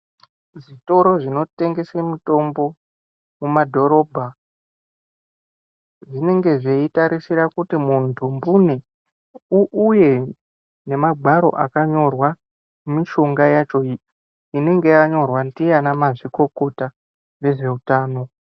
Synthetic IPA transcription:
ʐito̞ɾo̞ʐino̞te̞ŋɡe̞semuto̞mbo̞ | mumadʱo̞ɾo̞bʱa | ʐine̞ŋɡe̞ʐe̞itaɾisiɾakutimuntʰumbune | uʔuje̞ | ne̞maɡʱaɾo̞̰ʔakaɲo̞rwa | miʃo̞ŋɡajat͡ʃo̞ | ine̞ŋɡe̞jaɲo̞rwandijanamaʐiko̞ko̞ta | ʋe̞ʐe̞utaːno̞

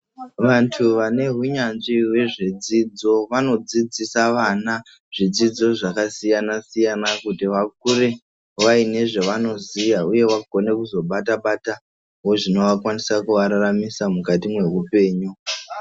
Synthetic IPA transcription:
ʋantʰuʋane̞ɦuɲanʐiwe̞ʐed͡zid͡zo̞ʋano̞d͡zid͡zisaʋaːna | ʐ̥id͡zid͡zo̞ʐakasijanasijanakutiʋak̚uɾe | ʋaine̞ʐeʋano̞zijauje̞waɡʱo̞ne̞kuzo̞ɓataɓata | ɦo̞ʐino̞ʋakwanisakuʋaɾaramisamukatimwe̞ɦupe̞ːɲu

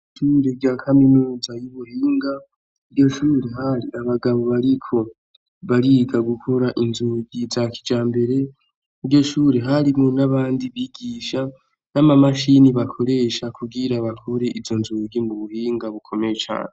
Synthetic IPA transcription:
iʃuːɾeɾɟaːkʰaminuːzajuβuhiːŋɡa | iɾɟo̞ʃuːɾeɦaɾiaβaɡaβo̞βaɾikʰo̞ | βaɾiɡaɡukʰo̞ɾaʔinzuːɡizaki̥d͡ʒaːmbe̞ɾe̞ | iɾɟo̞ʃuːɾeɦaɾimŋonaβaːndiβiɡiːʃa | namamaʃiniβakʰo̞ɾe̞ʃakʰuɡiɾaβakʰoɾe̞ʔivzo̞nzuɡimuβuhiːŋɡaβukʰo̞mejet͡ʃa̰ːne

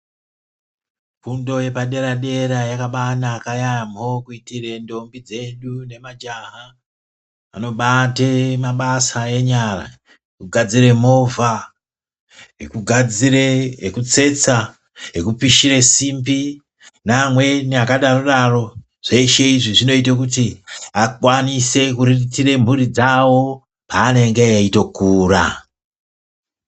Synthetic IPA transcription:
pundo̞je̞paɗe̞ɾaɗe̞ɾajakaɓanaːkajajamo̞kuitire̞ndo̞mbid͡ze̞ɗune̞mad͡ʒaɦa | a̰no̞ɓatemaɓasae̞ɲara̰ | ekuɡʱad͡ziɾe̞mo̞vʱa | ɦekuɡʱad͡zireekut͡se̞t͡sa | ɦekupiʃiɾe̞simbi | namwe̞niakaɗaroɗaro̞ | ʐ̥eiʃe̞iʐiʐino̞itakutiakwanise̞kuriritire̞m̤uɾid͡zawo̞ | paːne̞ŋɡeeito̞kuːra̰

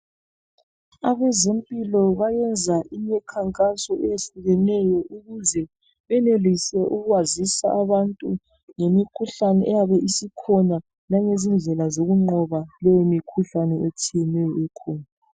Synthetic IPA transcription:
aβɛzempʼilɔβajɛnd͡zʱaʔiɲɛkʰaŋkʼasɔejeɬuɣɛnɛjɔʔuɣuzɛ | βɛnelisɛʔuɣwazisa̰ʔaβantʼu | ŋemikʰuɬanɛʔɛjaβɛʔisikʰɔna | laŋezind͡ɮʱɛlazoɣuŋ͡ǃɔβalɛjemikʰuɬanɛet͡ʃʰijɛnɛjɔɛkʰɔːna

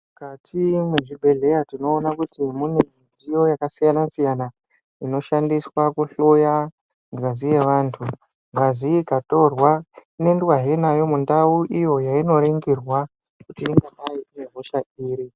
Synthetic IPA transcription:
mukatʰimwe̞ʐibʱe̞ɮe̞jatino̞ːnakutimune̞mid͡zijo̞jakasijanasijana | ino̞ʃandiswakuɬoja | ɡazije̞ʋaːntʰu | ŋɡaziikato̞rwane̞nduaɦenajo̞mundauʔijo̞jaino̞ɾeŋɡirwa | kutiiŋɡanaiineɦoʃaiːɾi

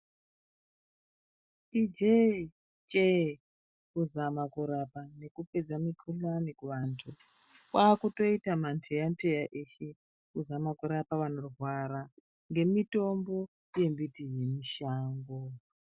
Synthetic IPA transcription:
id͡ʒe | t͡ʃʼe | kuzamakuɾapane̞kuped͡zamikʰulanikuʋantʰu | kwaːkuto̞itamantʰejantʰejaʔeʃe | kuzamakuɾapaʋano̞rrwaɾa | ŋɡe̞mito̞mbo̞ | je̞mbitije̞miʃaːŋɡo

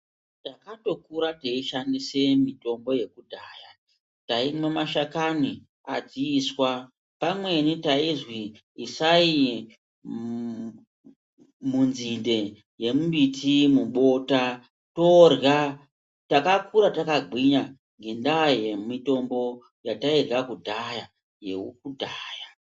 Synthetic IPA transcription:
takato̞kuɾateiʃandise̞mito̞mbo̞je̞kudʱaːja | taimwemaʃakani | ad͡ziiswa | pamwe̞nitaizwiː | sai | munzinde̞ | je̞muɓitʰimuɓo̞ta | torja | takakuɾatakaɡʱwiɲa | ŋɡe̞ndaje̞mito̞mbo̞ | jatairɣakudʱaja | je̞̰uk̚udʱaːja

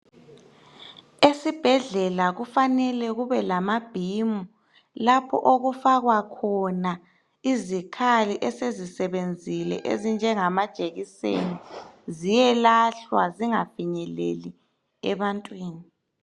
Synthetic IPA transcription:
esib̥ʱɛɮɛlaɣufanɛlɛɣuβɛlamab̥ʱimu | lapʰɔ̰ʔoɣufaɣwakʰɔna | izikʰaliʔɛsezisɛβend͡zʱilɛ̰ʔḛzind͡ʒʱɛŋamad̥ʒ̥ʱʼeɣisḛnizijɛlaɬwa̰ziŋafiɲɛlḛli | ɛ̰βantʼwiːni

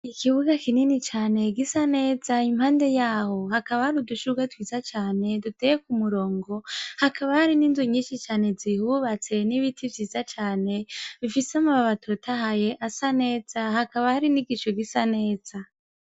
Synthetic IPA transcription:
ikʰiβuɡakininit͡ʃaːne̞ɡisane̞ːzaimhaːnde̞jaːho̞hakaβahaɾuduʃuɡatwiːzat͡ʃaːne̞dutejek̚umuɾo̞ːŋɡo̞hakaβahaɾininziɲiːʃit͡ʃaːne̞zihuβat͡se̞niβitʰivjiːzat͡ʃaːne̞βifisamaβaβatʰotʰaɦaje̞ʔasane̞ːz̥ahakaβahaɾiniɡiʃoɡisane̞ːz̥a

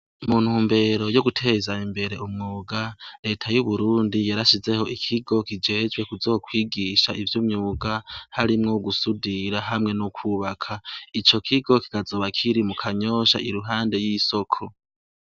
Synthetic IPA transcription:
mun̥huːmbe̞ɾo̞joɡutʰe̞ːzaimbe̞ɾe̞ʔumŋuːɡaɾe̞ːtʰajuβuɾuːndijaɾaʃize̞ho̞ʔikʰiɡo̞kid͡ʒe̞ːd͡ʒɡwe̞kuzo̞ːkwiːɡiːʃaʔivjumɲuːɡahaɾimŋoɡusudiɾaɦamŋe̞nokʰwuβakʰait͡ʃo̞kʰiɡo̞ki̥kazoβakʰiɾimukʰaɲo̞ːʃa̰ʔiɾuɦaːnde̞jiso̞kʰo̞

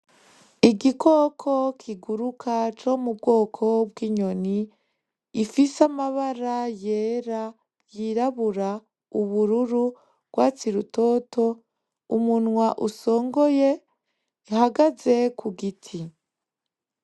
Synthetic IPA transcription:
iɡikʰokʰokʰiɡuɾukʰat͡ʃo̞mub̚ɡo̞ːkʰo̞bɡiːɲo̞niː | fisamaβaɾaje̞ːɾa | jiɾaβuɾa | uβuɾuɾu | b̥ɡwat͡siɾuto̞to̞ | umunŋwaʔuso̞ːŋɡo̞je | ihaɡaze̞kʰuɡitʰi

